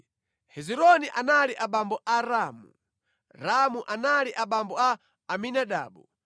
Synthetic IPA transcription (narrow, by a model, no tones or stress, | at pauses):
hɛziɾɔniʔanaliʔaɓambɔʔaɾamṵ | ɾamuʔanaliʔaɓambɔaː | minaɗa̰ːɓu